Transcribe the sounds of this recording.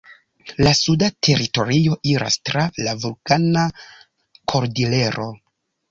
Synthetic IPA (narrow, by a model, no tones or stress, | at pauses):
lasudatʰe̞ɾito̞ɾio̞ʔiɾa̰stɾalavulkana | kʰo̞ɾdile̞ɾʔo̞